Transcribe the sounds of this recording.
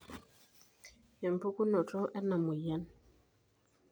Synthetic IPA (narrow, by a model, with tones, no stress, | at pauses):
jɛ˨m˨pu˦ku˦nɔ˨tɔ˦ʔɛ˦na˨mu˨jɛ˦n